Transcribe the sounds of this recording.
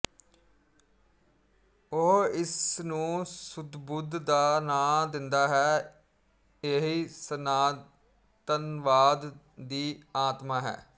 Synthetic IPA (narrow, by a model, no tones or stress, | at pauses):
oɦɪsnũːsʊd̪bʊd̪d̪aːnãːd̪ɪnd̪aːɦɛː | eːɦiːsənaː | t̪ənʋaːd̪ː | iːaːt̪maːɦɛ̰ː